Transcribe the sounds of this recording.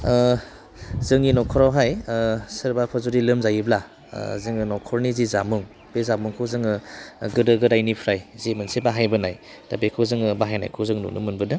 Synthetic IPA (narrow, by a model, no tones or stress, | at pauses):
zɯŋinɔkʰɔɾawɦajsɯɾbapʰazɔɾilɯmzajibla̰ | zɯŋɯnɔkʰɔɾnizizamuŋ | b̥ezamuŋkʰɯwzɯŋɯɡɯdɯɡɯɾajnipʰɾajzimɯnsebaɦajbɯnaj | tabekʰɯwzɯŋɯbaɦajna̰jkʰɯwzɯŋnṵnʔṵmɯnbɯdɯ